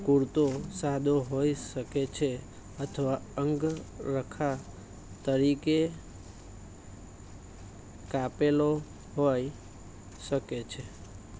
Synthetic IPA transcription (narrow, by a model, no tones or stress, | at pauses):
kuɾt̪osad̪ʱoɦojʃəket͡ʃʰe | ət̪ʰəʋaəŋɡɾəkʰa | t̪əɾike | kapelo | ɦoj | ʃəket͡ʃʰe